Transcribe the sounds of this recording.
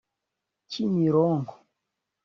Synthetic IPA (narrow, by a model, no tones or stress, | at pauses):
t͡ʃiniɾɔŋɡɔ̥